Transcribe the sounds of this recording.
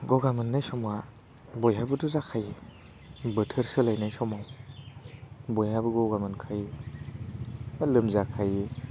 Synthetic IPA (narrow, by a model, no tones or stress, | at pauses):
ɡɔɡamɯnːajsɔma | bɔjɦabɯduzakʰaji | bɯtʰɯɾsɯlajnajsɔmaw | bojhabɯɡɔɡamɯnkʰaj | alɯmzakʰaji